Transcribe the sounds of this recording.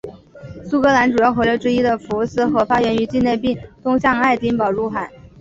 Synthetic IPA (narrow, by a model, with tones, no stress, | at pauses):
su˥kɤ˧˥la˧˥nʈ͡ʂu˨˩jɑ˥˩ʊxwe˧˥ɪlɤ˧˥ʈ͡ʂɻ̩˥i˥d̪ə˨fu˧˥sɹ̩˥˩xɤ˧˥fa˥jɥɛ˧˥ny˧˥t͡ɕi˥˧ne˥˧ɪpi˥˩ŋt̪ʊ˥ŋɕjɑ˥˧ŋa˥˩ɪt̪i˥npɑ˨˩ʊɻu˥˩xa˨˩˦n